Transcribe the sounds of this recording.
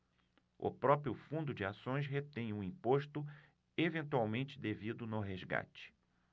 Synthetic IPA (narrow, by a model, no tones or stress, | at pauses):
ʊ̰pɾɔpɾjʊfũnd̪ʊd͡ʒɪasõj̃sɦet̪ẽj̃ũĩpoʃt̪ʊ | evẽnt̪uawmẽnt͡ʃɪd̪evid̪ʊnʊɦezɡa̰t͡ʃɪ̥